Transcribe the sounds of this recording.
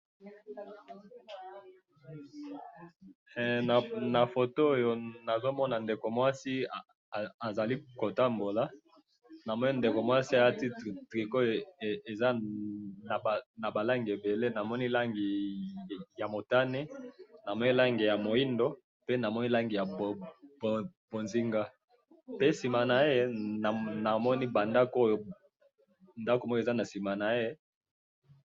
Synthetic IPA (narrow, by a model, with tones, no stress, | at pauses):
na˨fo˨to˦o˦jo˨na˨zo˦mɔ˦na˨nde˨ko˨mwa˦si˦˨ | a˨za˨li˦ko˨ta˦mbo˨la˦ | na˨mɔ˦ni˦nde˨ko˨mwa˦si˦a˨ja˦ti˦˨tʁi˨ko˦˨e˨za˦ | n˨na˨ba˨la˦ŋɡi˨e˨be˨le˦na˨mɔ˦ni˦la˦ŋɡi˨ | ja˨mo˨ta˦ne˦na˨mɔ˦ni˦la˦ŋɡi˨ja˨mo˨i˦ndo˦ | pe˦na˨mɔ˦ni˦la˦ŋɡi˨ja˨bbb̥o˨nzi˦ŋɡa˦ | pe˦si˨ma˨na˨e˦n˨na˨mɔ˦ni˦ba˨nda˦ko˦jo˦ | nda˦ko˨mɔ˦jza˦na˨si˨ma˨na˨e˦